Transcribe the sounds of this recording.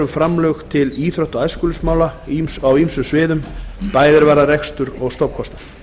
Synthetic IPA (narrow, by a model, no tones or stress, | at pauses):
ʏmfɾamlœxt̪ʰɪliːθɾœht̪ɔaːjskʏlʏsmaːwlaawimsʏsvɪːðʏmpaːjðɪɾvaːɾaɾɛkst̪ʏɾɔɣst̪owp̚kʰɔst̪ḁ